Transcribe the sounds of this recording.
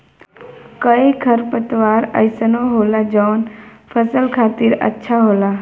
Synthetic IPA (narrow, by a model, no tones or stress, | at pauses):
kəikʰəɾpət̪ʋaːɾəjsənoɦoːlad͡ʒɔːnpʰəsəlkʰaːt̪iɾə̰tːʃʰaɦoːla